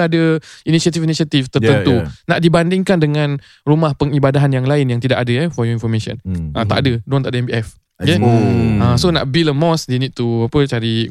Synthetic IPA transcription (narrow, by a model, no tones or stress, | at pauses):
adəinisat̪ifinisiat̪ift̪ərənt̪unaʔdibandɪŋkandəŋãn | rumahpəŋibadaɦanjaŋlaɪnjaŋt̪idakadəjafɔjɔinfɔmẽʃɔ̰̃nʔət̪aʔadədɔ̃nt̪aʔadəɛ̃mbiɛf | keãsona̰ʔbiləmɔ̃sdenid̚t̪uapət͡ʃaɾi